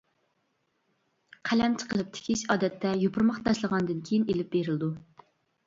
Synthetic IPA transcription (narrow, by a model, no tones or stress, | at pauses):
qʰælɛmt͡ʃʰə̥qəlˠɨp̚t̪ʰɪ̥kʲʰiʃɑːd̪ɛt̪ʰːɛjopʰʊɾmɑχt̪ʰɑʃlˠəʁɑnd̪ɨnkʲʰejinelɪp̚beɾɪld̪u